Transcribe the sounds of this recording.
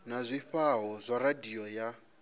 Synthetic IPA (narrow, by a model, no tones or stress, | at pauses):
nazʷiɸaɦɔzʷaradiɔja